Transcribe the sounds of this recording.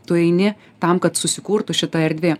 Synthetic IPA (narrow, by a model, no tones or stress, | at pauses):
t̪ʊɛɪnʲɪ | t̪ɐmkɐt̪sʊsʲɪkuːɾt̪ʊʃʲɪt̪ɐɛɾʲd̪ʲʋʲeː